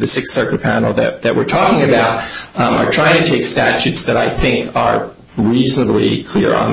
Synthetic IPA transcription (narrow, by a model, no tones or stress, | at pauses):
ðɨsɪksɜ˞kəpʰænl̩ˠðɨ̰t̚ðɨʔwɨ̰ɹtʰɔkɪ̃ŋɨbaʊt̚ʔə̰˞tʰɹ̥aɪɪ̃ŋtʰɨtʰeɪkstæt͡ʃʉtsðɨɾaɪθɪ̃ŋkʰə̰˞ | ɹiznəblḭkʰl̥ɪ̰ɹə̰̃n